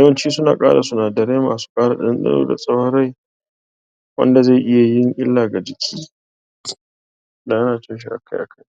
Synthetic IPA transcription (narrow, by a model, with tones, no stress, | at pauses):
jɐ˦wɐ˦nt͡ʃiː˦sʊ˦naː˨kʼa̰ː˦ɽa˨sʊ˦naː˨dɐ˨ɾeː˦ma̰ː˨su̥˦kʼaː˦ɽa˨ɗɪ̰˦nɗɐ̰˦ɾo̰ː˦da̰˨sʼɐ˦whɐ˦ɾa˦j | wɐ̰˦nda˨za˦˨ʔɪ˦ja˨jɪ˦ŋʔɪ˦lːaː˨ɡa˨d͡ʒɪ˨kʲʰiː˦ | da˨ʔa˦naː˨tɪ˦nʃ̬i˦ʔa̰˨kʰa˦jʔa˨kʰa˦j